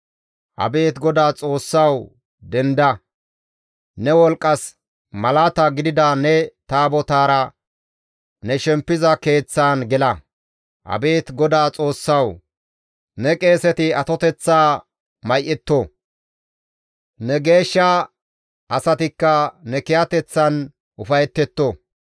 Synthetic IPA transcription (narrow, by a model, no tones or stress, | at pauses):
hɐ̰be̞ːt̪ɡɔd̪aːt͡sʼo̞ːsːɐw | d̪ɛnd̪ɐ | nɛwɔlkʼːɐs | mɐlaːt̪aɡɪd̪ɪd̪anɛt̪aːbɔt̪aːɾɐ | nɛʃɛmpːɪzɐke̞ːt͡sːaːnɡɛlɐ | ʔɐ̰be̞ːt̪ɡɔd̪aːt͡sʼo̞ːsːɐw | nɛkʼe̞ːsɛt̪ɪɐt̪ɔt̪ɛt͡sːaː | mɐjʔɛt̪ːɔ | nɛɡe̞ːʃːa | ʔɐsɐt̪ɪkːɐnɛkɪjɐt̪ɛt͡sːɐn | ʔʊfɐjɛt̪ːɛt̪ːɔ